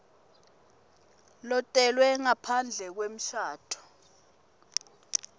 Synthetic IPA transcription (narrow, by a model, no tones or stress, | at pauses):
lɔtʼɛlwɛŋapʰand͡ɮʱɛk̬wem̩ʃʰaːtʰɔ̥